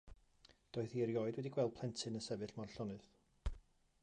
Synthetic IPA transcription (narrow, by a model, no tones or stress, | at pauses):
d̥oːɨθiɾjɔːɨdwɛdiɡwɛlˠd̥̚pʰlɛntʰɨnəsɛvɨɬmarɬɔnɨð